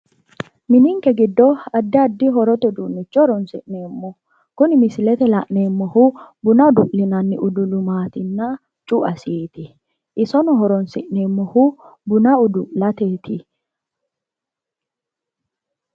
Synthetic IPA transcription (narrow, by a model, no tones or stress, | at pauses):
mɪnɪŋkɛɡɪd̪ːɔɐd̪ːɪɐd̪ːɪɦɔɾɔt̪ɛd̪unːɪt͡ʃːɔɾɔnsɪʔneːmːɔ | kʊnɪmɪsɪlɛt̪ɛlɐʔneːmːɔhʊbʊnɐd̪ʊʔlɪnɐnːɪʔʊd̪ʊd̪ʊmaːt̪ɪnːɐ | t͡ʃʼʊʔɐsiːt̪ɪ | ʔɪsɔnɔɦɔɾɔnsɪʔneːmːɔhʊbʊnɐʊd̪ʊlɐt̪eːt̪ʰɪ